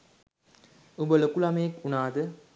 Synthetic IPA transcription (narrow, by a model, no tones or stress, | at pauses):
ubəlokulɐmɐjekunaːd̪ə